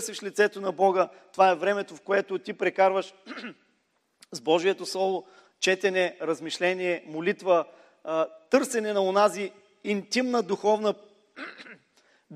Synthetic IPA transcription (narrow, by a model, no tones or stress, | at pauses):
sviʃlʲit̪sɛt̪onɐbɔɡət̪ovaɛvɾɛmɛt̪ofkoɛt̪ʊt̪ipɾɛkaɾvəʃ | zbɔʒijɛt̪oslˠɔlˠʊ | t͡ʃɛt̪ɛnɛɾɐzmiʃlɛniɛmolit̪və | t̪ɤɾsɛnɛnɐonaziː | nt̪imnəd̪uxɔvnə